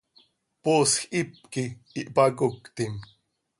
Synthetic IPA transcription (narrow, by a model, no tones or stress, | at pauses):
poːsxip̚ki | iʔpakukt̪im